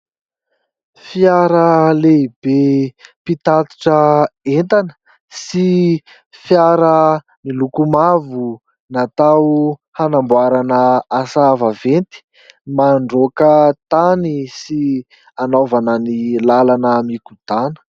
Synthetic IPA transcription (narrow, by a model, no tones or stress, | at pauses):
fjaɾəleib̥epit̪at̪i̥ʈ͡ʂəent̪anə̥ | si | fjaɾə | milukumavu | nat̪awhanambwaɾanəasavavent̪i̥ | maɳɖ͡ʐokət̪anisi | anovanənilalanəmikud̪̥anə̥